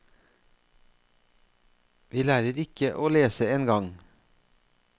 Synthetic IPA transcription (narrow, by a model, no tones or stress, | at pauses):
ʋiːlæːɾəɾɪkəʔoːleːsəeːnɡɑŋ